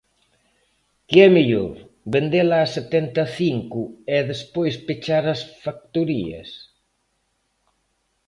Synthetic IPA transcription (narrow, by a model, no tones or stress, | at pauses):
kɪɛmeʎo̰ɾ | bend̪elaːset̪ɛnt̪ɐθiŋkʊɛðespojspet͡ʃaɾɐsfak̚t̪uɾḭɐ̰s